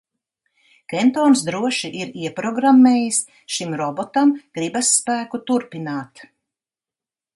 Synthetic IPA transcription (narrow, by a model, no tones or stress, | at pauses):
kɛnt̪ɔːnsd̪ɾuɔʃiʔiɾiɛpɾɔɡɾamːeːjis | ʃimɾɔbɔt̪amɡ̥ɾibasːpæːkut̪uɾpinaːt̪